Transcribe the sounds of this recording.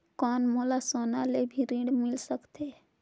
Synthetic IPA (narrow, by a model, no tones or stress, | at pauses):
kɔːnmoːlasoːnalebʱiɾĩːɖmɪlsəkt̪eː